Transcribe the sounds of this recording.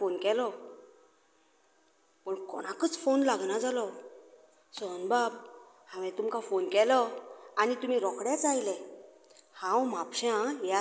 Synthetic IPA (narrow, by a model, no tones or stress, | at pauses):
fonkɛlɔ | pəɳkɔ̰ɽ̃akət͡sfonlaɡnad͡zalɔ | sɔnbab | hãʋɛ̃t̪umkafonkɛlɔanit̪um̤iɾɔkɽjat͡sajlɛ | hãwmapɕãja